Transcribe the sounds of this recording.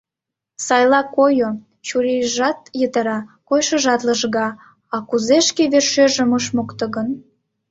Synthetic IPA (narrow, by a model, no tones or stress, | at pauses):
sɑjlɑkojo | t͡ɕuɾejʒɑt̪jət̪əɾɑkojʃə̆ʒɑt̪ləʃɣɑ | ɑkuzeʃkeβerʃøʒəməʃmokt̪ə̆ɣən